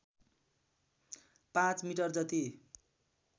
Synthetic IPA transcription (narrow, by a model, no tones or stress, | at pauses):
pãt͡smiʈʌrd͡zʌt̪i